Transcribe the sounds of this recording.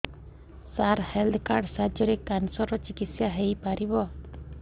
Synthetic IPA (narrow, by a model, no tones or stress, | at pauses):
saɾheld̪kaɾɖsad͡ʒɔɾekansɔɾɔt͡ʃikit̪sjaɦejpaɾibɔ